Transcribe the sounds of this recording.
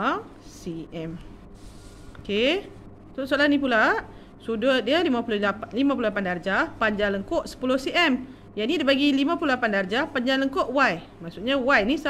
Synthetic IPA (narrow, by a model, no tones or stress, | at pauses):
siʔɛm | oke | sosolahnĩp̬ulaʔ | sudədiəlimãpuloalimãp̬ulolapandard͡ʒapaɲd͡ʒaŋləŋkoʔsə̥pulohsiʔɛm | janidabaɡilimãpulolapandard͡ʒapaɲd͡ʒaŋləŋkoʔwaj | maʔsuʔɲawajnis